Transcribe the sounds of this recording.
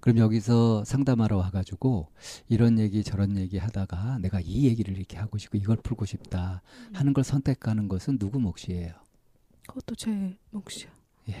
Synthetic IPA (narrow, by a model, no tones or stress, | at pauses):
kɯɾʌmjʌɡisʰʌsʰaŋdamaɾʌwaɡad͡ʑuɡoiɾʌnje̞ɡit͡ɕʌɾʌnje̞ɡihadaɡane̞ɡaije̞ɡiɾɯɾiɾʌkʰe̞haɡoɕʰi̥p̚k͈oiɡʌɭpʰuɭɡoɕʰip̚t͈ahanɯnɡʌɭsʰʌntʰe̞kʰanɯnɡʌsʰɯnːuɡumʌk̚ɕ͈ie̞jo | kʌt͈ot͡ɕemokɕ͈i | je̞